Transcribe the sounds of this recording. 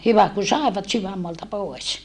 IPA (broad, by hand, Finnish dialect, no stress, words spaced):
hyʋæ ku sɑˑeʋɑt syʋæmːoɑltɑ poˑes